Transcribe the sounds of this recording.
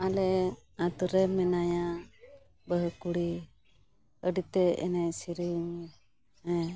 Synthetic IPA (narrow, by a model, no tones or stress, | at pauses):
alɛ | at̪uɾɛmɛnaja | bəɦkuɽi | əɖit̪ɛɛ̰najsiɾiŋ | ɛ̃